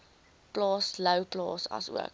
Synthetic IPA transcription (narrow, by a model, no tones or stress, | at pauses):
plɑːsləwplɑ̰ːsɐ̰sṵək